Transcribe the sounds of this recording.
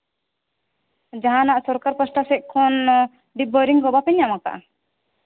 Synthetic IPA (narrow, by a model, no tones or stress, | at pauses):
d͡ʒaɦãnaʔsɔɾkaɾpɔsʈasɛʔ̚kʰːɔn | ɖibɔɾiŋkɔbapɛɲːamaka̰ʔ